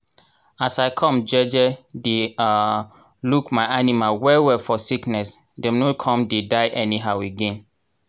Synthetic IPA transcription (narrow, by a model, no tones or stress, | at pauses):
asaɪkʰɔ̃md͡ʒɛd͡ʒɛde | lukmaɪanimalwɛwɛfɔsiknɛs | dɛmnokʰɔ̃mdedaɪʔɛniɦaʊeɡɛ̃n